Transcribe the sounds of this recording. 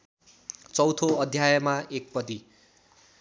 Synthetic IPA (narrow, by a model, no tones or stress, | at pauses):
t͡sʌwt̪ʰoʌd̪ʱjajʌmaek̚pʌd̪i